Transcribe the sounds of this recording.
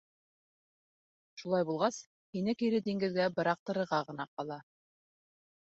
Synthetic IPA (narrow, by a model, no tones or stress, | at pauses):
ʃulˠɑjbulˠʁɑs | hinɘkiɾɘd̪iŋɡɘ̆ðɡæbɤ̆ɾɑq̚t̪ɤ̆ɾɤ̆ɾʁɑʁɤ̆nɑqɑlˠɑ